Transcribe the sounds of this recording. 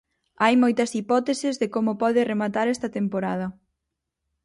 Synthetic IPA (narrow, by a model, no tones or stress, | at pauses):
ajmojt̪ɐsipɔt̪esɪzðɪkomʊpɔðɪremat̪aɾɛst̪ɐt̪empoɾað̞ɐ